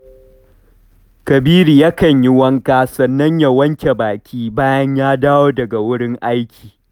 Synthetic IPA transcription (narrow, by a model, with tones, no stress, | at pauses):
kɐ˨biː˦ɾi˨jɐ˦kɐ˨ɲji˦wɐ˦ŋkaː˦sɐ˨nːɐ˦ɲja˨wɐ˦ŋkʲe˨baː˨kʲʰiː˦baː˦jɐ˦ɲjaː˦daː˦woː˦dɐ˨ɡa˨wʊ˦ɽɪ˦ŋʔa˦jkʲʰi̥ː˨